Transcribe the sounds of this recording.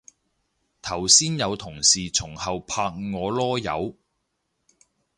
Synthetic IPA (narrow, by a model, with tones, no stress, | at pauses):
t̪ʰɐ˨˩wsiː˥njɐ˨˧wt̪ʰʊ˨˩ŋsiː˨t͡sʰʊ˨˩ŋhɐ˨wpʰaː˧k̚ŋɔː˨˧lɔː˥jɐ̰˨˧w